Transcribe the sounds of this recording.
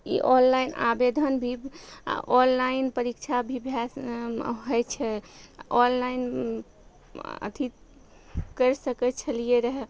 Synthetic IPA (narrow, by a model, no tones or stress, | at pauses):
ḭʔɔnlajna̰bed̪ʱənbʱḭ | ʔɔnlainpəɾikt͡ʃʰabʱibʱjasɦɔjt͡ʃʰɛɔnlain | ə̰t̪ʰi | kəɾsəkɛt͡ʃʰəlijeɾəɦɛ